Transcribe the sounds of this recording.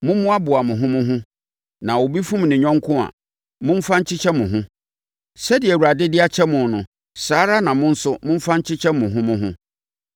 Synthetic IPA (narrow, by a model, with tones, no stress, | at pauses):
mʊ̃˦mʊ̃˦a˦bʊ˨a˨mʊ̃˨ɦʊ̃˦mʊ̃˦ɦʊ̃˦ | nã˨wo˨bi˦fũ˦m˨nɪ̃˨ɲᶣɔ̃˦ŋkʰʊ̃˦a̰˨ | mʊ̃˦m̩˦fã˦ɲ̩˦t͡ɕʰɪ˦t͡ɕʰɛ˦mʊ̃˨ɦʊ̃˦ | sɛ˦dɪ˨ɛ˨wu˨ɾa˨dɪ˦dɪ˦a˦t͡ɕʰɛ˦mʊ̃˨n˨nʊ̃˨ | saː˦ɾa˦nã˨mʊ̃˦n̩˦sʊ˦mʊ̃˦m̩˦fã˦ɲ̩˦t͡ɕʰɪ˦t͡ɕʰɛ˦mʊ̃˨ɦʊ̃˦mʊ̃˦ɦʊ̃˦